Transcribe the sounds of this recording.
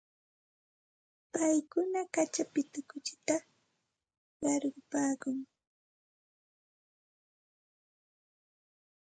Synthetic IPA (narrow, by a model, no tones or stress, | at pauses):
ppajkʊnakat͡ʃapɪt̪ʊkʊt͡ʃɪ̥t̪a | ɢɑɾɢʊpaːkʊŋ